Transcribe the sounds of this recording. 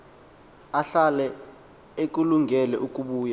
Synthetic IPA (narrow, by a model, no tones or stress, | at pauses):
aɬalɛ | ek̬uluŋɛlɛʔuk̬ʼuɓuːja